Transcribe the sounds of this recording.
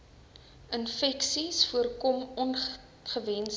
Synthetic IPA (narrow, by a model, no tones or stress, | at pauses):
ənfɛksisfuərkɔmɔn | χəvɛns